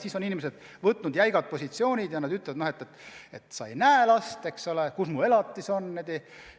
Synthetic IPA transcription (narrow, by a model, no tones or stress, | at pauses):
siːsoninimes̬ed̪̥ | vɤt̪ːˑnud̪jæjɡɑt̪̚po̞sʲit̪sio̞ːnʲid̪̥jɑnɑd̪yt̪lɛvɑd̪nohet̪ːˑet̪et̪sɑejnæelɑst̪e̞kso̞lekusmue̞lɑt̪ːˑiso̞nːed̪i